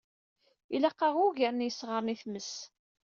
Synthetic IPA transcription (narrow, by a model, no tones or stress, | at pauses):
ilæqːɑʁʊʝəɾnjəsʁəɾniθməs